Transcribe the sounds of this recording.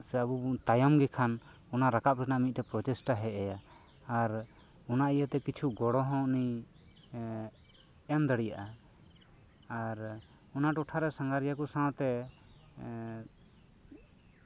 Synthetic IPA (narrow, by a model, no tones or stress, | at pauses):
sɛabut̪ajɔmɡɛkʰan | ɔnaɾakap̚ɾɛnaʔmit̪̚ʈɛpɾɔtɛsʈaɦɛʔɛjaː | ɾ | ɔnaijət̪ɛkit͡ʃʰuɡɔɽɔɦɔ̃ʔni | ɛnd̪əɽijaʔa | aɾ | ɔnaʈɔʈʰaɾɛsãŋɡaɾijakusãwt̪ɛ